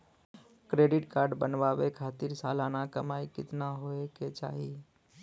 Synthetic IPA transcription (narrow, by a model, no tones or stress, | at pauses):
kɾeːɖɪʈkaːɾɖbənʋawekʰaːt̪ɪɾsaːlaːnakɐmaːikɪt̪naɦoeket͡ʃa̰ːɦi